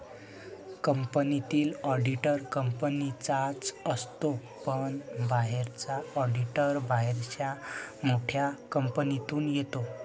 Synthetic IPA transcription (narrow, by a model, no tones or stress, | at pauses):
kəmpənit̪iːlɔɖiʈəɾkəmpənit͡sat͡səst̪o | pəɳbaɦeɾt͡saɔɖiʈəɾbaɦeɾɕjamoʈʰjakəmpənit̪uːnjet̪o